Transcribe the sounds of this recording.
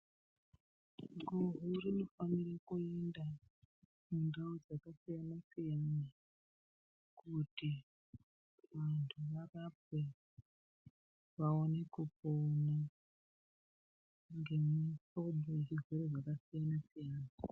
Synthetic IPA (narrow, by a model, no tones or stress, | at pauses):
ɡururino̞faniɾekuenda | mundaud͡zakasijanasijana | kuti | ʋantʰuʋarap̚e | ʋaonekupona | ŋɡe̞misoɓoirizweɾed͡zakasijanasijaːna